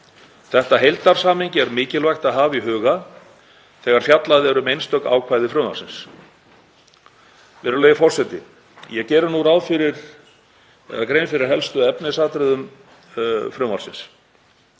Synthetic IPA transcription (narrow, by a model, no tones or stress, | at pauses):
θɛht̪aɦejlt̪aɾ̥saːmiɲcɪɛɾmɪːcɪlvajxt̪aðɦaːviɦœːɣa | θɛːɣaɾ̥fjat̪laðɪɛɾʏmejnst̪œk̪a̰ːwkʰvaːjðɪfɾʏːma̰rsɪns | vɛɾʏleːjɪfɔr̥sɛt̪ɪ̰ | jɛcɛːɾʏɾnuɾawðfɪɾɪɾ̥ | ɛ̰ðakɾejnfɪɾɪɾ̥ɦɛlst̪ʏɛpnɪsaːt̪ɾɪðʏm | fɾʏːmaɾ̥sɪns